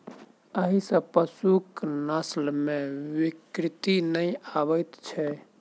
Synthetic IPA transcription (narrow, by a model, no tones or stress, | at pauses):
əɦisə̃pəsuknəslmẽʋikɾit̪inəjaβət̪t͡ʃʰɛ